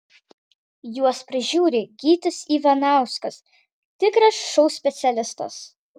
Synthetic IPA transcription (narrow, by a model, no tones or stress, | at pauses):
juɔspʲɾʲɪʒʲuːɾʲɪɡʲiːt̪ʲɪsiːʋɐnɑˑʊskɐs | t̪ʲɪkɾɐsʃɔʊsʲpʲɛt̪sʲɛlʲɪst̪ɐ̰s